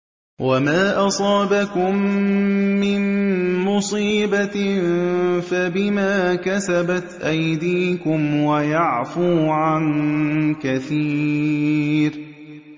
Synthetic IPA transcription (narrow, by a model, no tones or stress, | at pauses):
wʔamaːʔɑsˤɑːbakʊmː | ɪnmʊsˤiːba | fabɪmaːkasabat̪ʔajd̪iːkʊmwajaʕfuːʕankaθiː | ɾ